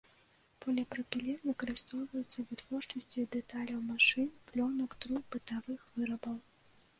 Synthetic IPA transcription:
pɐlʲɐpɾɐpʲilʲɛnvɨkɐɾɨst̪ɔwvɐjut̪sːɐvɨt̪v̥ɔrt͡ʂɐsʲt͡sʲid̪ɛt̪alʲɐwmaʂɨnplʲɔnɐkd̪ɾubɨt̪avɨxvɨɾɐbɐw

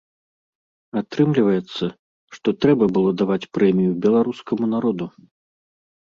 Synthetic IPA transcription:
at̪ɾɨmlʲivɐjɛt̪sːɐ | ʂt̪ɔt̪ɾɛbɐbɨlˠɔd̪avat͡sʲpɾɛmʲijubʲɛlˠaɾuskɐmunaɾɔd̪u

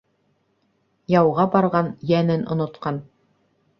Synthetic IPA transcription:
jɑwʁɑbɑɾʁɑnjænɘnʔŏnŏt̪qɑn

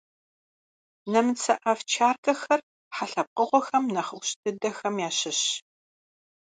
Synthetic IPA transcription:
nɐmɨt͡sʰɐʔɐft͡ʃʰaːrkɐxɐr | ħaɬɐp̚qəʁʷɔxɐmnɐχəwɕtʰɨdɐxɐmjaːɕɪɕ

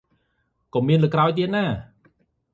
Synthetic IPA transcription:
kɔmiənlɨːkraɔjt̪̬iət̪̚naː

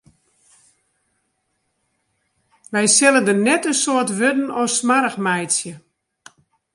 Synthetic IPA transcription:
ʋɛjsɛlədənɛtəsoətʋødn̩ɔsmaɾəxmɛjtsjə

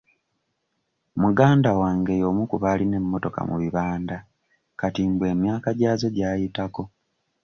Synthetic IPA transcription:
muɡaːndawaːŋɡe̞jo̞mukuβaline̞mːo̞to̞ka̰muβiβaːnda | katimbwe̞ːmjaːkaɟaːzo̞ɟaːjitako̞

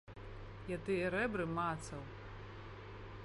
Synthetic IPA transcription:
jat̪ɨjɛɾɛbɾɨmat̪sɐw

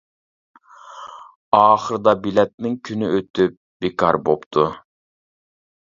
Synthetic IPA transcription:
ɑːχəɾɨd̪ɑbilɛt̪̚nɪŋkʲʰynyʔøt̪yp̚b̥ekʰɑɾbopt̪ʰu

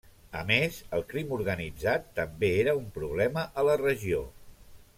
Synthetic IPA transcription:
ə̰mezəlˠkɾimuɾɣənid͡zat̪ːəmbeeɾəumpɾuβ̞lɛməʔələrəʒio̰

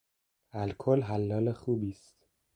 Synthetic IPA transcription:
ælkʰolɦælːɒːlexuːbiːst̪

